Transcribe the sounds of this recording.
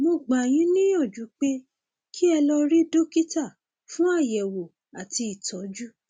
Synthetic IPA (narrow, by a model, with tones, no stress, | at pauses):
mo˧ɡ͡ba˨j̃ĩ˦nĩ˦jɔ̃˦˨d͡ʒu˨˦k͡pe˦ | kʰi˦ɛ˧lɔ˧ɾi˦do˦ki˦ta˦˨ | fũ˦a˦˨jɛ˨wo˨ | a˨ti˧i˨tʰɔ˨˦d͡ʒu˦